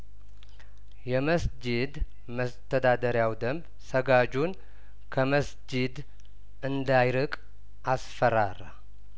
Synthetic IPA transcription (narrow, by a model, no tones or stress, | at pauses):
jɛməsd͡ʒɪd̪ | məst̪ʰəd̪ad̪əɾjawd̪əmb | səɡad͡ʒun | kʰəməsd͡ʒɪd̪ | ɨnd̪ajɾɨkʼ | ʔasfəɾaɾa̰